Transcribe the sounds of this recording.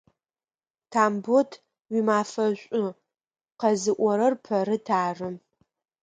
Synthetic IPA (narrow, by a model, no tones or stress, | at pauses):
tʰaːmbotʰ | wimaːfɐɕʷʼʊ | qɐzɨʔʷɔɾɐrpʰɐɾɨtʰaːrɨ